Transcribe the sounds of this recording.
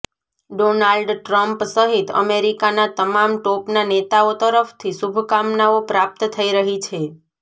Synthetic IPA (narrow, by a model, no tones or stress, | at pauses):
ɖonalɖʈɾəmpsəɦit̪ə̰meɾikanat̪əmamʈopnanet̪aot̪əɾəft̪ʰisubʱkamnaopɾap̚t̪t̪ʰəiɾəɦit͡ʃʰe